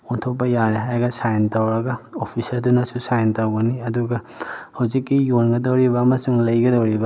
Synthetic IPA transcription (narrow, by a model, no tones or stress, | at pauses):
ontʰok̚pɐjaɾeɦajɡɐsajntɐwɾɐɡɐopʰisɐɾdunɐsusajntɐwɡɐniɐduɡɐ | hɐwzikːijonɡɐdɐwɾibɐːmɐsuŋlɐjɡɐdɐwɾibɐ